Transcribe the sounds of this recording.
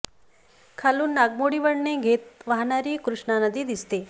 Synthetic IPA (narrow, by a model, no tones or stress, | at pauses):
kʰalunnaːɡ̚moːɽiʋəɽneɡʱeːt̪̚ʋaɦnaɾikɾuʂɳanɐd̪id̪ist̪e